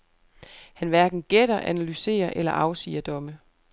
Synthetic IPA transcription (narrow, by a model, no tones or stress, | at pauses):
hænʋæɐɡ̥n̩ɡ̥eɾ̥ɐʔænælyse̝̰ːɐʔelɐʔɑ̈ʊsḭːɐd̥ɒ̽mə